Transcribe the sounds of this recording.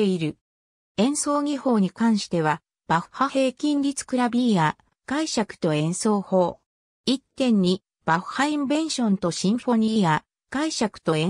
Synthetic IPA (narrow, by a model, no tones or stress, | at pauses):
eiɾɯ̟ | ẽ̞ɰ̃so̞ːɡʲiho̞ːɲ̟ikãɰ̃ɕi̥t̪e̞β̞a | b̥aɸhahe̞ːkʲĩnɾʲit͡sɨ̥kɯ̟ɾabʲiːa | ɡ̥aiɕakɯ̟̥t̪o̞ẽ̞ɰ̃so̞ːho̞ː | it̪ːẽ̞ɲ̟ːi | b̥aɸɯ̟̥haĩmbẽ̞ɰ̃ɕõ̞nt̪o̞ɕĩɰ̃ɸo̞ɲ̟iːa | ɡ̥aiɕakɯ̟̥t̪o̞e